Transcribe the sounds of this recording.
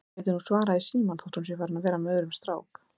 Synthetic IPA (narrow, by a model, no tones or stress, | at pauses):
ɛt̪ʏɾnusvaːɾaisiːmanθowht̪huns̬jɛfaːɾɪnaðvɛːɾamœːðɾʏmst̪ɾa̰ːwk